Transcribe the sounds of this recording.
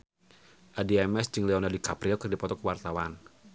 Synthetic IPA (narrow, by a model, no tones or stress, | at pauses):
ʔadiɛmɛsd͡ʒɨŋlɛɔnardikapɾiɔkɨrdipɔt̪ɔkəwart̪awan